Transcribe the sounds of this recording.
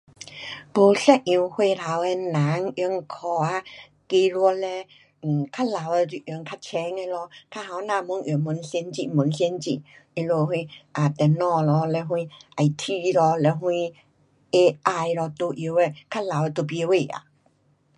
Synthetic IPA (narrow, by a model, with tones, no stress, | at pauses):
bo˨˩ɬɛ˧ʔ̚ĩ˨˧hwe˧la˨˦wɛ˧nã˨˦ŋjɔ˧˦ŋ˧kʰɔ˨˩a˧ | ke˧lwɔ˧lɛ˧˨ | kʰa˦˥la˨˦wɛ˧ti˨ʔjɔ˧˦ŋkʰa˧t͡ɕʰɛ˧˦ŋɛ˧lɔ˧kʰa˧ɦa˨˧wnã˧˨mu˧˦ŋʔjɔ˨˩˨mu˨˦nɬɛ˧nt͡ɕi˧˨mu˨˦nɬɛ˧nt͡ɕi˧˨ | i˧lo˧hwĩ˧ʔa˨˩t̪ɛ˨nɔ̃˧˨lɔ˧lɛ˧ɦwũ˧ʔa˧˨jt̪ʰi˧lɔ˧lɛ˧ɦwũ˧ | e˧ʔa˧jlɔ˧t̪o˧ʔi˧wɛ˧kʰa˦˥la˨wɛ˧t̪o˧pje˧we˧˨a̰˨